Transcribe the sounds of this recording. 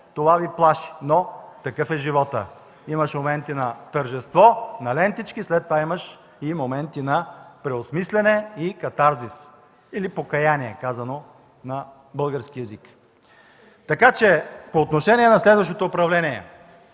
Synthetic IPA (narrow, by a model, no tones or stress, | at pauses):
t̪ovaviplˠaʃi̥not̪ɐkɤfɛʒivɔt̪ə̰ | imɐʃmomɛnt̪inɐt̪əɾʒɛst̪vɔnɐlɛnt̪it͡ʃkislɛt̪ːovaimɐʃ | imomɛnt̪inɐpɾɛosmislɛnɛikɐt̪aɾzis | ilipokɐjaniɛkazɐno | nɐ | bɤlˠɡəɾskiɛzik | t̪ɐkat͡ʃɛpoːt̪noʃɛnʲiɛnɐslɛd̪vɐʃ̬t̪ot̪oːpɾɐvlɛnʲiɛ̰